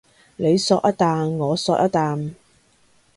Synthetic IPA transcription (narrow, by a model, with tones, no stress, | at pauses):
le˨˧jsɔː˧k̚ʔɐ˥t̚t̪aː˨˧nŋɔː˨˧sɔː˧k̚ʔɐ˥t̚t̪aː˨˧n